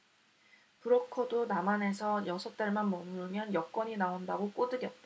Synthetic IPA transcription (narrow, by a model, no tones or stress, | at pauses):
pɯɾʌkʰodonamane̞sʰʌjʌsʰʌt̚t͈aɭmanmʌmɯɯmjʌnjʌk͈wʌɲinaondaɡok͈odɯɡjʌt̚t͈a